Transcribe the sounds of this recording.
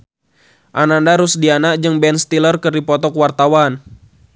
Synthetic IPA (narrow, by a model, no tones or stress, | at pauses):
ʔanandaɾusdianaʔd͡ʒɨŋbɛnst̪ilərkɨrdipɔt̪ɔkwart̪awan